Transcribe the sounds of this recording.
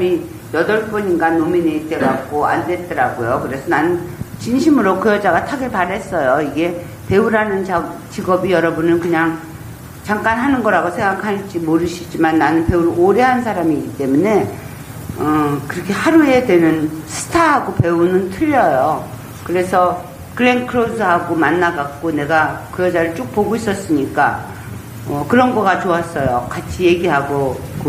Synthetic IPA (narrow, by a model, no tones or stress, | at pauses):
mi | jʌdʌɭp͈uɲinɡanominet͈eɡak͈oa̰ndwe̞t̚t͈ʌɾaɡojokɯɾe̞sʰʌnanɯnt͡ɕinɕʰimɯɾokɯjʌd͡ʑaɡatʰaɡiɭpaɾɦe̞s͈ʌjoiɡe̞ | pe̞uɾanɯnt͡ɕa | t͡ɕiɡʌbijʌɾʌbunɯnkɯɲaŋ | t͡ɕaŋk͈anɦanɯnɡʌɾaɡosʰeŋɡakʰaɭt͡ɕ͈imoɾɯɕʰid͡ʑimanːanɯnpe̞uɾoɾeɦansʰaɾamiːɡit͈e̞mune̞ | ʌkɯɾʌkʰe̞haɾue̞dwenɯnsʰɯ̥tʰaɦaɡope̞unɯntʰɯʎːʌjo | kɯɾe̞sʰʌ | kɯɾenkʰɯɾosʰɯɦaɡomanːaɡak̚k͈one̞ɡakɯjʌd͡ʑaɾɯɭt͡ɕ͈ok̚poɡois͈ʌs͈ɯɲik͈a̰ | ʌkɯɾʌnɡʌɡat͡ɕoas͈ʌjo̰kat͡ɕʰije̞ɡiɦaɡok